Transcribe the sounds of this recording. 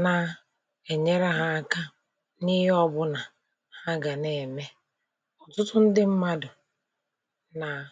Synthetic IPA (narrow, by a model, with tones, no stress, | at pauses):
na˨ | e˨ɲe˦ɾa˦ɦa˦a˦ka˦ | ni˦ɦɪ˦ɔ˦bʊ˦na˨ | ha˦ɡa˨ne˨me˦ | ɔ˨tʊ˦tʊ˦n̩˦dɪ˦m̩˦ma˦dʊ˨ | na˨